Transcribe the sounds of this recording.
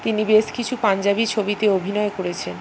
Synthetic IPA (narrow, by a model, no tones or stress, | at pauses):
t̪inibeʃkit͡ɕʰupand͡ʑabit͡ɕʰobit̪eobʱinɔekoɾet͡ɕʰen